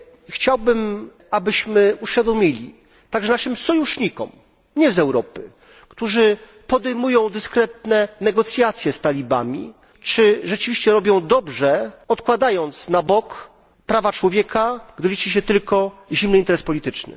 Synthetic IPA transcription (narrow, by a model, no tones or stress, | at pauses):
xt͡ɕawbɘm | abɘɕmɘuɕfʲjad̪ɔmʲilʲḭ | t̪aɡʐɛnaʂɘmsɔjuʂɲikɔ̰m | ɲɛzɛwɾɔpɘ | kt̪uʐɘ | pɔd̪ɛjmujɔ̃w̃d̪ɘskɾɛt̪̚nɛnɛɡɔt̪sʲjat̪sʲjɛst̪alʲiba̰mʲḭ | t͡ʂɘʐɛt͡ʂɘvʲiɕt͡ɕɛɾɔbʲjɔ̃w̃d̪ɔbʐɛɔt̪kwad̪ajɔnt̪snabɔk | pɾavat͡ʂwɔvʲjɛkaɡd̪ɘlʲit͡ʂiɕ̬ɛt̪ɘlkɔʑimnɘint̪ɛɾɛspɔlʲit̪ɘt͡ʂnɘ̰